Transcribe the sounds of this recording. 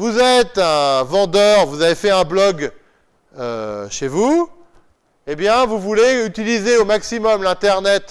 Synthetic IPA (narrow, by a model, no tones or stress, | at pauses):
vuzɛt̪ɛ̃vɑ̃d̪œʁvuzavefɛɛ̃blɔɡ | ø̰ʃevu | ebjɛ̃vuvuleyt̪ilizeomaksimɔmlɛ̃t̪ɛʁnɛt̪